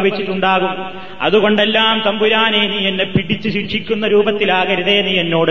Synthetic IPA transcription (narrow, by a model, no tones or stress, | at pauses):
ʋet͡ɕːiʈːuɳɖaːɣum | ɐ̰ðuɣo̞ɳɖe̞lːaːmt̪ɐmbuɾaːneːnijenːepiɽit͡ɕːuɕikʂikʲːunːɐɾuːbɐt̪ːilaːɣɐɾiðe̞ːnijenːo̞ːɽɨ